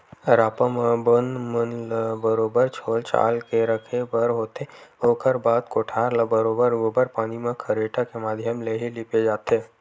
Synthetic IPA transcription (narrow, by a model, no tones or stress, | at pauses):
ɾaːpəmbənmənlbəɾoːbəɾt͡ʃʰoːlt͡ʃa̰ːlkeɾəkʰepɐɾɦoːt̪eoːkʰəɾbaːd̪̚koːʈʰaːɾlɐbəɾoːbəɾobəɾpaːnimẽkʰɐɾeːʈʰakemaːd̪ʱjəmleːɦeliped͡ʒaːt̪eː